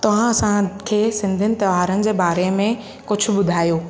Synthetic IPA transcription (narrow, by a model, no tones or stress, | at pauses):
t̪ɐʋ̤ãɐsãkʰeːsɪ̃nd̪ʱənɪ̆t̪ɐʋaːɾənɪ̆d͡ʑeːbaːɾemẽ | kʊd͡ʑʰʱʊ̆bʊd̪ʱaːjoː